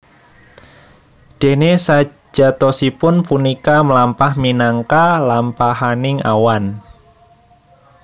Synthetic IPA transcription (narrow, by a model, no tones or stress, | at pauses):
d̥e̤nesḁ | d͡ʒ̥a̤t̪ɔsipʊnpunikaməlampahminaŋkalampaɦanɪŋa̰wan